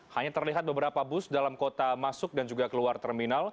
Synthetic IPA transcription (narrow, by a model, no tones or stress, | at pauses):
haɲat̪ərliɦat̪̚bəbəɾapabʊsdalamkot̪amasʊk̚dand͡ʒuɡakəluart̪ɛrminal